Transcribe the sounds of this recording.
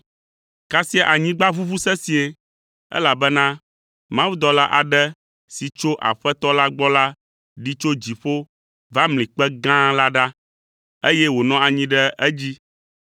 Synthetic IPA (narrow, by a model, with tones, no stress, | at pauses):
ka˦si˦a˦ʔa˨ɲĩ˦ɡ͡ba˦vu˦vu˦sɛ˦si˨e˨ | ɛ̰˦la˨bɛ˦nã˦ | mã˦wu˦d̪ɔ˦la˦ʔa˨ɖɛ˦ | si˨t͡ʃo˦ʔa̰˨ɸɛ˦t̪ɔ˦la˦ɡ͡bɔ˦la˦ | ɖi˦t͡ʃo˦d͡ʑi˨ɸo˦ | va˦mlĩ˨k͡pɛ˦ɡã˦la˦ɖa˦ | e˦jɛ˦wo˨nɔ̃˦a˨ɲĩ˦ɖɛ˦ʔɛ˦d͡ʑi˦